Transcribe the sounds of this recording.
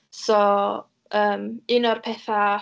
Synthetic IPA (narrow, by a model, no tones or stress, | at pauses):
sɔ | əːmɪnɔrpʰɛθa